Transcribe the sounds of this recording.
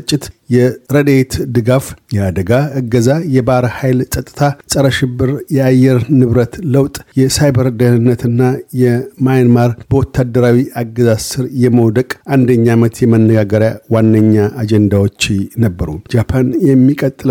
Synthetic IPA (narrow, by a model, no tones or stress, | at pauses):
t͡ʃʼːɪt̪jɛɾəd̪et̪d̪ɨɡafjɛad̪əɡaɨɡːəzajɛbaɾhajlsʼət̪ʼːɨt̪ʰasʼəɾəʃɪbːɨɾjɛajːɛɾnɨβɾət̪ləwt̪ʼjɛsajbəɾd̪əhɨnːət̪ɨnːajɛmajnmaɾbəwɔt̪ʰːad̪ːəɾawiʔaɡːəzasɨɾjɛməwd̪əkʼʔand̪əɲːamət̪ʰjɛmənːəɡaɡəɾjawanːəɲːaʔad͡ʒɛnd̪awot͡ʃːnəbːəɾud͡ʒapʰanjɛmːikʼət̪ʼːɨl